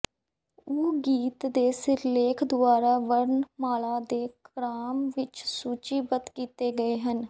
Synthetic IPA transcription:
uːɡiːt̪d̪eːsɪɾleːkʰd̪ʊaːɾaːʋəɾnmaːlaːd̪eːkɾaːmʋɪt͡ʃsuːt͡ʃiːbət̪kiːt̪eːɡəeːɦən

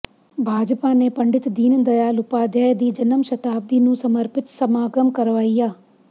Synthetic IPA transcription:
bʱaːd͡ʒpaːnepɐɳɖɪt̪d̪iːnd̪ɐjaːlʊpaːd̪jaːjd̪iːd͡ʒɐnəmʃɐt̪aːb̚d̪iːnũːsɐməɾpɪt̪sɐmaːɡəmkɐɾʋaːijaː

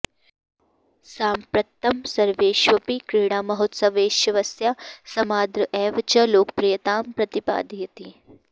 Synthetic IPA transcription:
saːmpɾɐt̪ːɐmsɐɾʋeːʃʋɐpikɾiːɳ̃aːmɐɦot̪sɐʋeːʃjɐʋɐsjasɐmaːd̪ɾɨʔɛːʋt͡ʃɐloːk̚pɾijɐt̪aːmpɾɐt̪ipa̰ːd̪ijɐt̪i

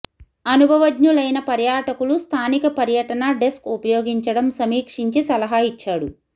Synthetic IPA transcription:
ɐnubʱɐʋɐdɲulɐjnɐpɐɾjaːʈɐkulust̪ʰaːnikɐpɐɾjɐʈɐnɐɖeskupɐjoːɡiɲt͡ʃɐɽɐmsɐmiːkʂiɲt͡ʃisɐlɐɦaːit͡ʃːaːɽu

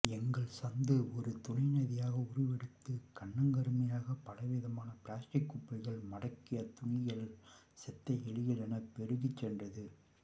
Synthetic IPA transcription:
ɛŋɡɐɭsɐnd̪ɯɔɾɯt̪ʊnɐɪnɐðɪjaːɣɐʊɾɯʋɛɽɯt̪ːɯkɐɳːɐŋɡɐɾɯmɐjaːɣɐpɐlɐʋɪðɐmaːnɐpɪlaːsʈɪkːʊpːɐɪɣɐɭmɐɽɐkːɪjɐt̪ʊɳɪjɐɭ | sɛt̪ːɐɛɭɪjɐlɛnɐpɛɾɯɣɪt͡ʃːɛndrɐðɯ

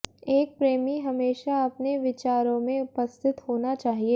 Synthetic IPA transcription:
eːk̚pɾeːmiɦɐmeːʃaɐpneʋɪt͡ʃaːɾõmẽʊpəst̪ʰɪt̪hoːnat͡ʃaːɦieː

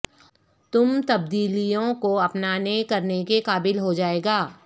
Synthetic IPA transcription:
t̪ʊmt̪ɐb̚d̪iːlijõkoɐpnaːnekɐɾnekekaːbɪlɦod͡ʒaːeːɡaː

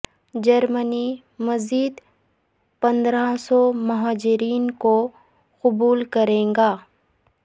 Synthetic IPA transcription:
d͡ʒɐɾməni | mɐziːd̪ | pɐ̃nd̪ɾasɔmɐɦaːd͡ʒɪɾiːnko | qʊbuːlkɐɾẽːŋɡaː

